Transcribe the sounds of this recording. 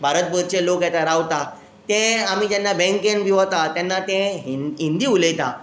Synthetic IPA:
bʱaɾət̪̚bəɾ̚t͡ɕelokjɛt̪aɾawt̪a | t̪ɛ̃amid͡ʑɛnːabɛ̃ŋkenbiʋat̪at̪janːat̪ɛ̃ɦɦind̪iːulet̪a

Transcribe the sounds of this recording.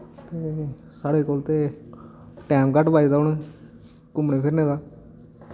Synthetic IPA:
t̪eː | saːɽeːkoːlt̪eː | ʈɛːmkəʈbaːid̪aːɦʊɳe | kʊmɳeːpʰɪɾnẽːd̪aː

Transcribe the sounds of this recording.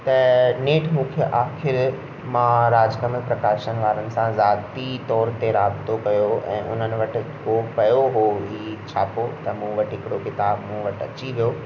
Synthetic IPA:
t̪ɐneːʈʰmũːkʰeʔaːxɪɾ | mãɾaːd͡ʑkəməlpɾɐkaːʃənɪ̆ʋaːɾənɪ̆sãzaːt̪it̪ɔːɾt̪eɾaːbt̪okɐjoɛ̰̃ːʔʊ̰n̤ənɪ̆ʋɐʈʰɪ̆kopɐjoɦoɦiːt͡ɕʰaːpot̪ɐmũʋɐʈʰɦɪkɪɽokɪt̪aːbmũʋɐʈʰɐ̰t͡ɕiʋijo

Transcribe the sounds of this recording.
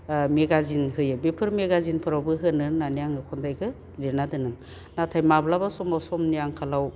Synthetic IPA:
meɡazinhɯjɯbepʰɯɾmeɡazinpʰɯɾawbɯɦɯnɯnanijaŋɯkʰɔndajɡɯ | lenadɯnɯŋ | natʰajmablabasɔmawsɔmnijaŋkʰalaw

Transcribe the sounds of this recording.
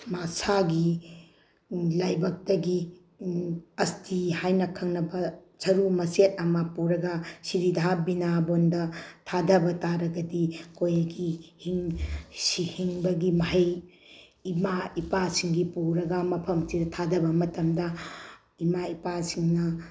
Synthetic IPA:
masaɡi | lajbɐk̚tɐɡi | ɐstʰihajnɐkʰɐŋnɐbɐ | sɐɾumɐset̚ɐmɐpuɾɐɡɐsiɾidʱabinabondɐtʰadɐbɐtaɾɐɡɐdikojɐɡihiŋsihiŋbɐɡimɐɦɐj | imaipasiŋɡipuɾɐɡɐmɐpʰɐmsidɐtʰadɐbɐmɐtɐmdɐ | imaipasiŋnɐ

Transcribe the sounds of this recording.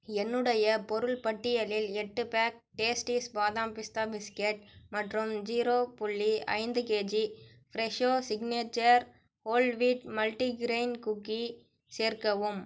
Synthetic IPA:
ɛnːɯɽɐjɐpɔɾɯɭpɐʈːɪjɐlɪlɛʈːɯpaːk̚ʈeːsʈiːsbaːðaːmpɪst̪aːbɪskeʈ̚mɐʈrɯmd͡ʒiːɾoːpʊɭːiɐ̰ɪnd̪ɯkeːd͡ʒi | fɪɾɛʂoːsɪɡneːt͡ʃːɐɾ | oːlʋiːʈmɐlʈiɡɾeɪnkʊkːi | seːɾkɐʋɯm

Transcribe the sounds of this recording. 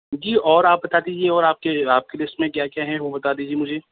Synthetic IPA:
d͡ʒiːɔːɾaːp̚bɐt̪aːd̪iːd͡ʒieɔːɾaːp̚keaːp̚kelɪsʈmẽkjaːkjaːɦɛʋobɐt̪aːd̪iːd͡ʒiemʊd͡ʒʱeː

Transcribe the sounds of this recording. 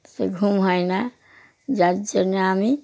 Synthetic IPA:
sḛɡʱumɦɔjna | d͡ʒad͡ʒənami

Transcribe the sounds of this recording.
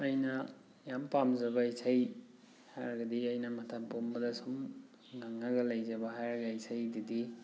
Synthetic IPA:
ɐjnɐ | jampamzɐbɐisʰaj | hajɾɐɡɐdiɐjnɐmɐtʰappombɐdɐsum | ŋaŋːɐɡɐlɐjzɐbɐɦajɾɐɡɐisʰajdidi

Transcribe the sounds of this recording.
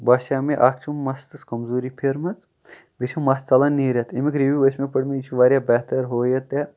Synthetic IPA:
baːʃaːmeʔaːkt͡ʃʰumːɐst̪ɨskɐmzuːɾipʰeɾmɐt͡s | bit͡ʃʰumːɐst͡sɐlɐnːiːɾʲɐt̪ʰimikɾiʋʲiʋəsmepɐɽmeit͡ʃʰuʋaːɾʲjaːbɛːɦt̪ɐɾɦoːjɐt̪e

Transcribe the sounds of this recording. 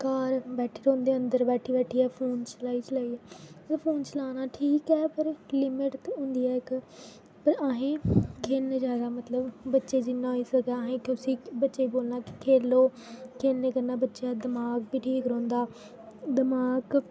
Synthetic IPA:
kaːɾbɛːʈʰeːɾõːnd̪eːə̃nd̪əɾbɛːʈʰiːbɛːʈʰiːɛːpʰoːnt͡ʃəlaːiːt͡ʃəlaːiːɛːeːpʰoːnt͡ʃəlaːnaːʈʰiːkɛːpəɾlɪmɪʈt̪ʊ̃nd̪iːɛːɪk | pəɾaːɦẽːkʰend͡ʒaːd̪aːmət̪ləbbətːʃeːd͡ʒɪnːãːiːsəkaːɦẽːkʊsĩːbətːʃeːiboːlnaːkɪ̥kʰeːloː | kʰeːlneːkəɾnaːbətːʃaːd̪ɪmaːɡ̚biːʈʰiːkɾõːnd̪aː | d̪ɪmaːɡ

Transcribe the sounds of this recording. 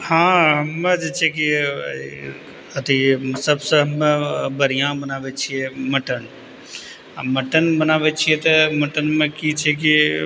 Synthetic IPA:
hãːɦɐmːəd͡ʒet͡ʃʰeki | ət̪ʰisəbsəɦmbəɾijãbənaːʋet͡ʃʰieməʈən | məʈənbənaːʋet͡ʃʰiet̪ɐməʈənmẽkit͡ʃʰek̬i

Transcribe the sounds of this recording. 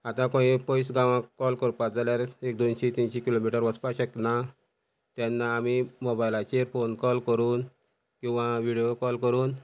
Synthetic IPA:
at̪ãkõĩpɔjsɡãʋãkɔlkəɾpad͡zaljaɾek̚d̪onɕet̪inɕekilomiʈəɾʋəspaɕəkna | t̪janːaːmimobajlat͡ɕeɾfonkɔlkəɾuːn | kĩw̃ʋaʋiɽijokɔlkəɾuːn

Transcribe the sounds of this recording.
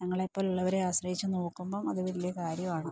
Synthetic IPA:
ɲɐŋːɐɭepːoːluɭːɐʋɐɾeaːɕrɐhit͡ɕːɨnoːkːumboːmɐðuʋɐɾilːekaːɾjɐmaːɳɨ

